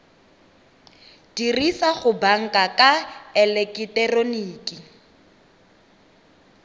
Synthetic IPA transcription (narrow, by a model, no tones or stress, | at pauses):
d̥irisaχʊbaŋ̩kʼakʼaɛlɛkʼitɛroniːkʼi